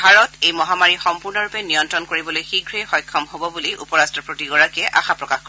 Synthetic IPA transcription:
bʱaɹɔtejmɔɦamaɹixɔmpuɹnɔɹupɛnijɔntɹɔnkoɹibɔlojxiɡʱɹexɔjkʰːɔmhobɔbuliʔṵpɔɹastɹɔpɹotiɡɔɹakiɛʔa̰xapɹɔkaxko

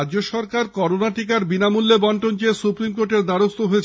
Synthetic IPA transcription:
d͡ʑoʃɔɾkaɾkɔɾonaʈik̬aɾbinamulːebɔɳʈont͡ɕesupɾimkoɾʈeɾd̪aɾost̪oɦoet͡ɕ

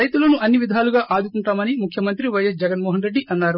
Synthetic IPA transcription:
ɐjt̪ulɐnuʔɐnːiʋid̪ʱaːluɡaːʔaːd̪ukuɳʈaːmɐnimukʰjɐmɐnt̪ɾiʋɐjɐsd͡ʒɛɡɐnmɔːɦɐnɾe̞ɖːiʔɐnːaːɾu

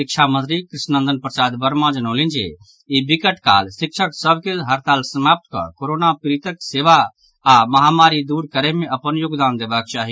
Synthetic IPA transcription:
sik̚t͡ʃʰamə̃nt̪ɾikɾisnə̃nd̪ənpɾəsad̪bəɾmad͡ʒənolind͡ʒḛ | ibikəʈka̰lsik̚t͡ʃʰəksəbʱkelɦəɾt̪alsəmap̚t̪kə̰koɾonapiɾit̪əkseʋaː | məɦamaɾid̪uɾkəɾɛɦmeəpənjoɡd̪and̪ebək̚t͡ʃaɦi

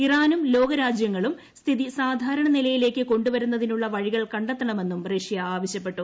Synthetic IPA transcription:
iraːnumlo̞ːɡɐɾaːd͡ʑjɐŋːɐɭum | st̪ʰiðisaːd̪ʱaːɾɐɳɐnilɐjile̞ːkːɨko̞ɳɖuʋɐɾunːɐðinuɭːɐʋɐɻiɣɐɭkɐɳɖɐt̪ːɐɳɐme̞nːumreʂjɐaːʋɐɕjɐpːe̞ʈːu

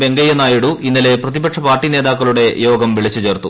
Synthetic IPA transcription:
be̞ŋɡɐjɐnaːjiɽuʔinːɐle̞prɐðibɐkʂɐpaːrʈːine̞ːd̪aːkːɐɭuɽe̞jo̞ːɡɐmʋiɭit͡ɕːut͡ɕe̞ːrt̪u

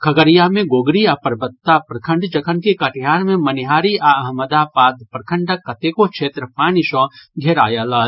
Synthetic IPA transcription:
kʰɐɡəɾijamẽɡoːɡɾiapəɾbətt̪ːapɾɐkʰə̃ɳɖt͡ʃɐkʰənkekɐʈʰjaːɾmẽmɐnɪɦaːɾiaɐɦməd̪aːpaːd̪pɾɐkʰə̃ɳɖəkːɐt̪eːkokʃeːt̪ɾəpaːniʃɔ̃ːɡʱeɾa̰ːjalaː

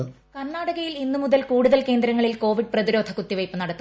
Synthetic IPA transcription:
kɐnːaːɽɐɣɐjilinːumuðɐlkuːɽuðɐlke̞ːnd̪ɾɐŋːɐɭilko̞ːʋiɖ̚prɐðiɾo̞ːd̪ʰʱɐkut̪ːiʋɐjpːɨnɐɽɐt̪ːu

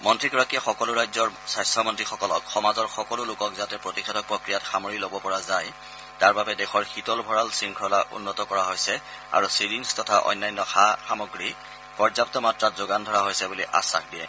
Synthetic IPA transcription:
mɔntɹiɡɔɹakijaxɔkɔlʊɹajzɔɹsajstʰɔmɔntɹixɔkɔlɔkxɔmazɔɹxɔkɔlʊlʊkɔkzatɛpɹotikʰɛdɔk̚pɹokɹijatxamɔɹilobɔpɔɹazaj | taɹbabɛdɛxʰɔɹxitɔlbʱɔɹalsiŋkʰɔlaʔṵnːɔtɔkɔɹaɦojsɛ | a̰ɹusiɹinstɔtʰaʔɔ̰jnːajnːɔxaxamɔɡɹi | pɔɹzap̚tɔmatɹatzoɡandʱɔɹaɦojsɛbuliʔa̰sa̰xdiɛ̰

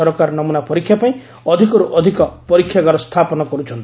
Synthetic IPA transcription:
ɔɾɔkaɾnɔmunapɔɾikʰːjapaĩ | ɔd̪ʱikɔɾuʔɔd̪ʱikɔpɔɾikʰːjaɡaɾɔst̪ʰapɔnɔkɔɾut͡ʃʰɔnt̪i

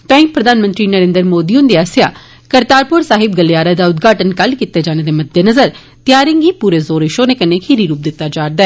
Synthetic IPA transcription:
t̪ãːĩːpɾəd̪aːnmə̃nt̪ɾiːnəɾẽːnd̪əɾmoːd̪iːʊnd̪iaːsja̰ː | kəɾt̪aːɾpʊɾsaːɦɪb̚ɡəljaːɾaːd̪aːʊd̪̚ɡʱaːʈənkəlkit̪ːeːd͡ʒaːneːd̪eːməd̪enəzəɾ | t̪ɪjaːɾɪŋɡiːpuːɾeːzoːɾɪʃoːneːkəneːkʰiːɾiːɾuːp̚d̪ɪt̪ːaːd͡ʒaːɾd̪aɛː

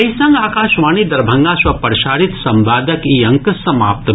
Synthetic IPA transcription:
ɐisɐ̃ŋɡaːkaːʃʋaːniːd̪ɐɾbʱɐŋɡaːsʋɐpɐɾʃaːɾit̪sɐmbaːd̪ɐkiɐŋksɐma̰ːp̚t̪

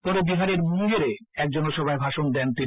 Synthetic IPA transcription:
pɔɾebiɦaɾeɾmud͡ʑeɾeɛk̚d͡ʑɔnoʃɔbʱaebʱaʃond̪ɛnt̪i

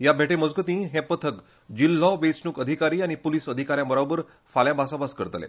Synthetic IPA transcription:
jabʱeʈeməd͡zɡət̪ĩɦẽpət̪ʰək | d͡ʑilːɔʋet͡snukəd̪ʱikaɾiːañipoliːsəd̪ʱikaɾjãbəɾabəɾ | faljabʱasabaskəɾt̪lḛ

